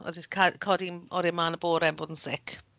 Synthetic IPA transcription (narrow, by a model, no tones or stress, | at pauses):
ɔ̰ðikʰakʰɔdiɔɾimaːnəboːɾɛmboːdən̩sɪkʰ